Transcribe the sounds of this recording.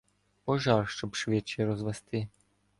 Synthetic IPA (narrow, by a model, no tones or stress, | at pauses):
pɔʒɑrʃt͡ʃɔbʃʋɛt͡ʃɛjɾɔzʋɛst̪ɪ